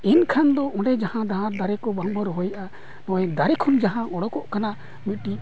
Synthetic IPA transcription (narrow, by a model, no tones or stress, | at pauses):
inkʰand̪ɔɔ̃ɖɛd͡ʒahãd̪aɦãɾd̪aɾɛkɔbaŋbɔɾɦɔjʔa | nɔ̃wɛd̪aɾɛkʰɔnd͡ʒaɦãʔɔɽɔkɔʔkana | mit̪̚ˀʈi